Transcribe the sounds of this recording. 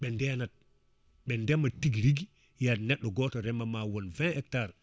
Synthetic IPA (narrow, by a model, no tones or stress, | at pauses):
ɓɛndɛnat̚ | ɓɛndɛmatiɡɾiɡi | janɛɗːɔɡɔːtɔɾɛmamawɔnvɛ̃ɛk̚taɾ